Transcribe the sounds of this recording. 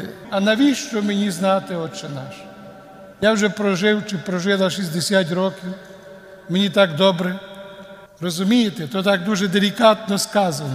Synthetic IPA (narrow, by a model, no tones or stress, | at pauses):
ɐnɐʋʲiʃt͡ʃɔmenʲiznɑt̪ɪɔt͡ʃːɛnɑʃɐ̥ | jawʒɛpɾɔʒɪwt͡ʃɪpɾɔʒɪlˠɐʃizʲd̪esʲjat̪̬ʲɾɔkʲiw | menʲit̪ɑkd̪ɔbɾɛ | rɔzʊmʲijet̪ɛt̪ɔt̪ɑk̚d̪uʒɛd̪elʲikɑt̪̚nɔskɑzɐnɔ